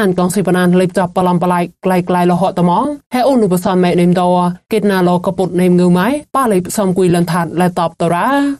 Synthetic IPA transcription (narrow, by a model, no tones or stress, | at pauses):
aɲkɑŋsipanaːnlijp̚t͡ɕɑpːəlɑmpalaj̚klajklajlɔɦɔːəʔt̪amɑŋhɛːʔuːnːupəsɑnmaːʔ̚nemt̪ɔkeːt̪̚naːlɔːkaput̪̚nemŋɨwmajpaːlijp̚sɔmkujlənt̪ʰaːt̪̚lat̪ɑːp̚t̪ɔɾaː